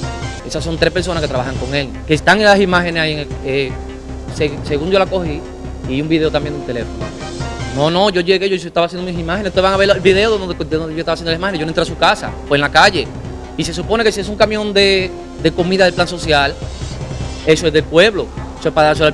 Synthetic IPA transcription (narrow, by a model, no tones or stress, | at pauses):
e̞sasːo̞nt̪ɾe̞spe̞ɾs̬o̞naske̞t̪ɾaβahaŋko̞ŋe̞l | kest̪aŋenlasimahe̞nesaieŋe | sese̞ɣund͡ʒo̞lako̞hi | iumbiðeoambjend̪unt̪e̞le̞fono̰ | nõ̞nõ̞ʝo̞ʝe̞ɣeʝois̬oest̪aβasjend̪omisimaheneseoβaŋaβeɾelβiðe̞oðod̪ðondejost̪aβasjend̪olaimaheneʝonent̪ɾas̬ukasa̰feenlakaʝe̞ | ise̞supo̞ne̞ke̞sies̬uŋkamjõ̞nd̪e̞ | d̪e̞ko̞mĩðaðelplanso̞sjal | e̞soe̞zðe̞lpwe̞βlo̞esoespaðaɾs̬oa